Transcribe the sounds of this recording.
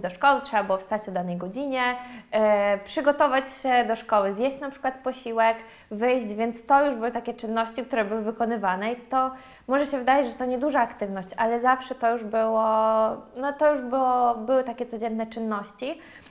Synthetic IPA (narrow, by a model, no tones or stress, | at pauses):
d͡ʑd̪ɔʂkɔwɘtʂɛbabɘwɔfst̪at͡ɕɔd̪anɛjɡɔd͡ʑiɲɛ | pʂɘɡɔt̪ɔvat͡ɕɕɛd̪ɔʂkɔwɘzʲjeɕt͡ɕnapʂɘ̥kwat̪pɔɕiwɛk | vɘjʑd͡ʑvʲjɛnt̪st̪ɔjuʐbɘwɘt̪akʲɛt͡ʂɘnːɔɕt͡ɕikt̪uɾɛbɘwɘvɘkɔnɘvanɛit̪ɔ | mɔʐɛɕɛvɘd̪ajad͡ʑʐɛt̪ɔɲɛd̪uʐaːkt̪ɘvnɔɕt͡ɕalɛzafʂɛt̪ɔjuʐbɘwɔnɔt̪ɔjuʐbɘwɔbɘwɘt̪akʲɛtsɔd͡ʑɛnːɛt͡ʂɘnːɔɕt͡ɕi